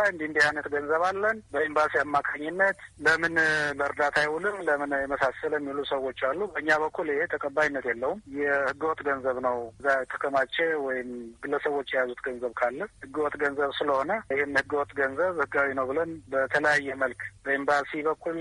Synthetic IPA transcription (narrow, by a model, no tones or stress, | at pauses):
aɨnd̪iɨnd̪ihajnət̪ɡənzəβalːənbəimbasiamːakʰaɲːɪnːət̪ləmɨnləɾd̪at̪ʰajhulɨmləmɨnjɛməsasəlɛmːilusəwo̞t͡ʃːalːubəɨɲːaβəkʰːulɪhet̪ʰəkʼəbːajinːət̪jɛlːəhumjɛhɨɡːəwɔt̪ʼɡənzəβnəwzːat̪ʰə̥kʰəmat͡ʃʼːewɔjɪmɡɨlːəsəwot͡ʃːjɛjazut̪ɡənzəβkʰalːəhɨɡːəwɔt̪ʼɡənzəβsɨləho̞nəɪhenhɨɡəwɔt̪ʼɡənzəβhɨɡawinəwbɨlənbət̪ʰələjajːɛməlkbəimbasiβəkːul